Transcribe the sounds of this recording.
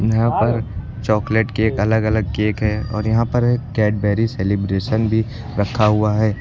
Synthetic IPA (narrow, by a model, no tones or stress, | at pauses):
jɐɦãpɐɾ | t͡ʃɔːkleʈkeeːkɐləɡɐləɡ̚keːkɦɛːɔ̰ːɾjɐɦãpɐɾkɛːʈ̚bɛːɾiseːlibɾeːʃənbʱi | ɾɐkʰːaɦuaɦɛː